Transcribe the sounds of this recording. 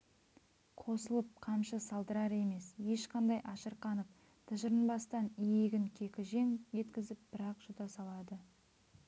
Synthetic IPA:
qʰo̞səlˠəp̚qʰɑmʃəsɑlˠd̪əɾɑɾe̞me̞sje̞ʃqɑnd̪ɑjʔɑʃəɾqɑnəp̚ | t̪ʰəʒəɾənbɑst̪ɑnijeɡʲɪŋkʲʰe̞kʲɪʒe̞ŋʒe̞t̪kʲɪzɪp̚b̥ɪɾɑqʒ̥ʊd̪ɑsɑlˠɑd̪ə

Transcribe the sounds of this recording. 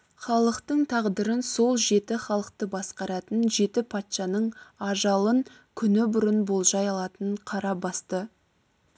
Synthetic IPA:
χɑlˠəqt̪əɴt̪ʰɑʁd̪əɾənso̞lˠʒe̞t̪ɪχɑlˠəq̚t̪əbɑsqɑɾɑt̪ənʒe̞t̪ɪpʰɑt̪ʃɑnəɴɑʒɑlˠəŋ | kʲʰʏnɪbʊɾənbolˠʒɑjɑlˠɑt̪əɴqʰɑɾɑbɑst̪ə

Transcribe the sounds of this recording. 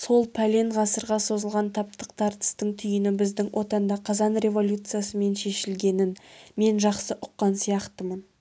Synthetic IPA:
so̞lˠpʰælʲe̞ɴʁɑsəɾʁɑso̞zəlˠʁɑnt̪ʰɑp̚t̪əq̚t̪ʰɑɾt̪ə̥st̪əɴt̪ʰʏjɪnɪbɪzd̪ɪŋwʔo̞t̪ɑnd̪ɑqʰɑzɑnrʲe̞vo̞lʲut̪sɨjasəme̞nʃe̞ʃɪlɡʲe̞nɪnme̞nʒɑqsəʔʊqːɑnsijɑqt̪əmən

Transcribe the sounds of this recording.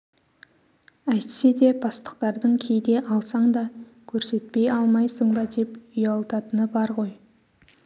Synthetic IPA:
æjt̪se̞d̪e̞bɑst̪ə̥qt̪ɑɾd̪əɴkʲʰejd̪e̞ʔɑlˠsɑɴd̪ɑ | kʲʰɵɾse̞t̪̚pe̞jɑlˠmɑjsəɴbɑd̪e̞pʏjɑlˠt̪ɑt̪ənəbɑɾʁo̞j

